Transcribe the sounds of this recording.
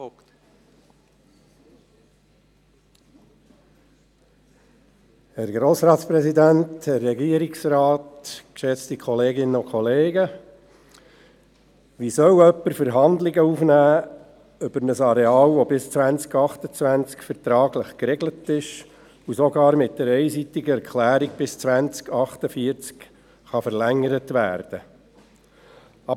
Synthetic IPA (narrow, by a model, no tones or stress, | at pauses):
hɛɾɡɾoːsɾɑːt̪spɾɛsidænthɛrːɛɡiəɾiksɾɑːtkʃɛt͡stikʰɔleːɡɪnəʊkʰχɔleːɡə | ʋisœwœpːəɾfəɾɦɑnd̪lɪɡəuːfnæː | ʏb̥əɾnəsɑɾɛɑːlʋɔbɪst͡sʋænt͡skɑχt̪ət͡sʋænt͡skfəɾtɾɑːɡləχkɾɛɡlətɪʃ | usɔɡɑːɾmɪt̚d̥ɛɾɛɪsit̪ɪɡəɛɾkχlæːɾiɡ̚b̥ɪst͡sʋænt͡skɑχt̪əfiəɾt͡sk | χɑfəɾlæŋːəɾətʋæ̰ːɾd̥ə | ɑ